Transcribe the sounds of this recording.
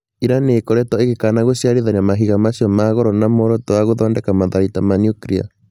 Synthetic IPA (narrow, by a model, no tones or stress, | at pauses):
iɾaneːkɔɾɛtɔeɣekanaɣoɕjaɾeðanamaɦiɣamaɕijɔmaːɣɔɾɔnamoɾɔtowaɣoðɔːndɛkamaðaɾitamaniukɾia̰